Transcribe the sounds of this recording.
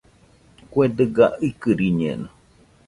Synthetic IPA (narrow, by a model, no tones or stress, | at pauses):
kwed̪ɨɡaikɨɾiɲḛ̃na